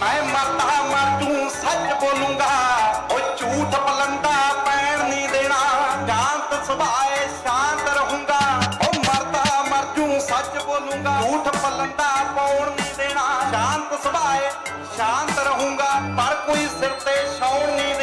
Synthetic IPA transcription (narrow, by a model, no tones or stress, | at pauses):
mɛ̃ːməɾt̪aːməɾd͡ʒũːsət͡ʃboːlũːŋɡaːoːt͡ʃuːʈʰpələnd̪aːpəːɳ̃nĩːd̪eːɽ̃aːʃaːnt̪sɪbʱaːɦeʃãːnt̪ɾəɦũːŋɡaːɦoːməɾt̪aːməɾd͡ʒũːsət͡ʃboːlũːŋɡaːuːʈʰpələnd̪aːpoːɳnĩːd̪eːɽ̃aːʃãːnt̪sɪbʱaːeː | ʃãːnt̪ɾəɦũːŋɡaːpəɾkoːiːsɪɾt̪eʃoːnĩːd̪